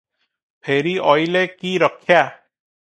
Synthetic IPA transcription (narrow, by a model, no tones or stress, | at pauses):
pʰeːɾiɔjlekiɾɔkʰːja